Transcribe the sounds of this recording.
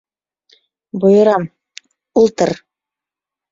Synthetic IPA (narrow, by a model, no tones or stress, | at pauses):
bŏjɤ̆ɾɑm | ulˠt̪ɤɾ